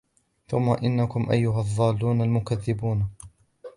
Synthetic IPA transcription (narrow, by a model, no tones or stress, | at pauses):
θʊmːaʔɪnːakʊmʔa̰jːʊɦaðˤːɑːlːuːnalmʊkaðːɪbuːn